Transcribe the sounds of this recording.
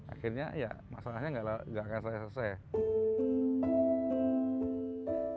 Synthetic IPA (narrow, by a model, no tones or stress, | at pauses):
a̰xɪrɲa̰ja̰masalahɲaŋɡaʔlaɡakans̬ajasəsɛ